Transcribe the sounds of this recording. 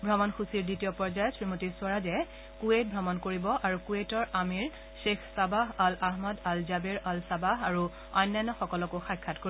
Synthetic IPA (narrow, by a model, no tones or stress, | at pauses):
bʱɹɔmɔnxusiɹditijɔpɔɹd͡ʒajsɹimotiswaɹazɛ | kuet̚bʱɔmɔnkoɹibɔʔaɹukuetɔɹamiɹ | ʃexʰsabaɦalaɦmɔdalzabeɹalsabaɦaɹu | ɔjnːajnːɔxɔkɔlɔkoxajkʰːatkoi